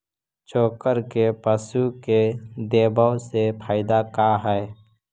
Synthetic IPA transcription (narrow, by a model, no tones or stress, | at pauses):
t͡ʃoːkəɾkepəsuked̪eːbəwsepʰaːɪd̪akaɦɛe